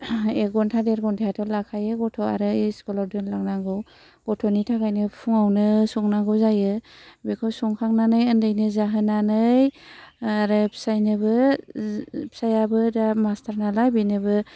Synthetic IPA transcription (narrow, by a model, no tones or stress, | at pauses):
eɡɔntʰadeɾɡɔntʰajatʰɔlakʰajɯɡɔtʰɔa̰ɾɯiskɔlawdɯnlaŋnaŋɡɯw | ɡ̥ɔtʰɔnitʰaɡajnɯpʰuŋawnɯsɔŋnaŋɡɯwzajɯbekʰɔwsɔŋkʰaŋnanɯjɯndɯjnɯzaɦɯnanɯj | aɾɯpʰi̥sajnɯbɯ | pʰi̥sajabɯdamastʰaɾnalajbinɯbɯ